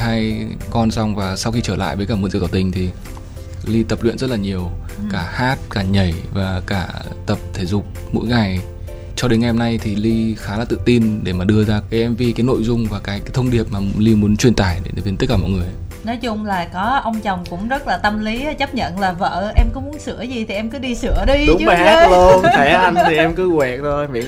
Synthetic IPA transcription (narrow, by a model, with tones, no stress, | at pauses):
haː˧jkɔ˧nsa˧wŋ͡mvaː˨˩sa˧wxi˧t͡ɕəː˧˩la̰ː˧˨jvəː˨˦jkaː˧˩m˨˦nzḭ˧˨˩k̪a˨˩wt̪ï˧˩ŋ̟t̪ʰi˨˩ | li˧t̪ə˨˩p̚lwḭ˧˨ənzt̚laː˨˩ɲi˨˩əwkaː˧˩haː˦˥t̚kaː˧˩ɲə˧˩jvaː˨˩kaː˧˩t̪ə˨˩p̚t̪ʰe˧˩zʊ˨˩k͡p̚ | mo̰˧˥jŋa˨˩j | t͡ɕɔ˧ɗe˨˦nŋa˨˩jho˧mna˧jt̪ʰi˨˩li˧xaː˨˦aː˨˩t̪ɨ̰˧˨t̪i˧nɗe˧˩maː˨˩ɗɨ˧əzaː˧kaː˨˦jʔɛ˧mvi˨˧˩kaː˨˦jno̰˧˨jzʊ˧ŋ͡mvaː˨˩kaː˨˦jkaː˨˦jt̪ʰə˧wŋ͡mɗi˨˩əp̚maː˨˩li˧mu˨˦nt͡ɕwi˧˩ənt̪aː˧˩jɗe˨˦˨vi˧˩˨t̪̚laː˧˩mɔ̰˧˨ŋɨ˨˩əj | nɔ˨˦jt͡ɕʊ˧ŋ͡mlaː˨˩kɔ˨˦ʔə˧wŋ͡mt͡ɕɔ˨˩wŋ͡mkʊ̰˧˥ŋ͡mzə˦˥t̚laː˨˩t̪ə˧mli˨˦˩t͡ɕə˦˥p̚ɲə̰˧˨nlaː˨˩və̰ː˧˨ʔɛ˧mkɔ˨˦mu˨˦ənsɨ̰˧˩əzi˨˩t̪ʰi˨˩ʔɛ˧mkɨ˨˦ɗi˧sɨ˧˩əɗi˧ɗʊ˨˦t͡ɕmː˨ha˦˧lo˧ɛ˨˦ʔa˧nt̪ʰi˨˩ʔɛ˧mkɨ˨˦ɣwɛ˨˩k̚zo˧jmi˧˥